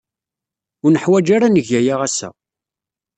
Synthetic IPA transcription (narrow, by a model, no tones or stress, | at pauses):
ʊɾnəħwæd͡ʒaɾanəʝæjaʁæsæ̰